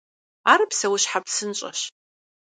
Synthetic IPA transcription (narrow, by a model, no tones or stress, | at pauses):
aːɾɨpsɐwʊɕħapsɨnɕʼɐ̰ɕ